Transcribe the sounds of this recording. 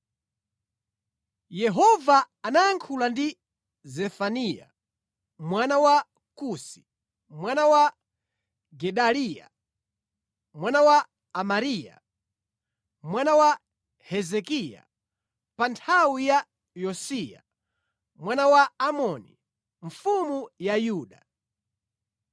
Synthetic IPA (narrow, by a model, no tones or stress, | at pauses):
jɛɦɔvaː | najaŋkʰulandi | zɛfanija̰ | mwanawa | kusi̥ | mwanawa | ɡɛɗalija̰ | mwanawaː | maɾija̰ | mwanawa | hɛzɛkija̰ | pantʰawija | jɔsija̰ | mwanawaamɔnḭ | ɱ̩fumujajuːɗa